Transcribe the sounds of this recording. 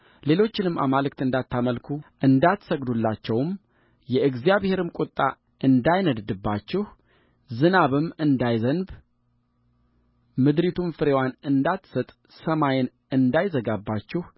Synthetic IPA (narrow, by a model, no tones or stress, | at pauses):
le̞lo̞t͡ʃːɪnɨmːa̰malɨk̚t̪ɨnd̪at̪ʰːaməlkʰuʔɨnd̪at̪ːsəɡd̪ulːat͡ʃːɛwm | jɛʔɨɡzijaβhe̞ɾɨmkʷʼʊt̪ʼːa | ʔɨnd̪ajnəd̪d̪ɨbːat͡ʃːɪh | zɨnaβɨmɨnd̪ajzənb | mɨd̪ɾit̪ʰumfɨɾewanɨnd̪at̪ːsət̪ʼ | səmajɪn | ɨnd̪ajzəɡabːat͡ʃːɪh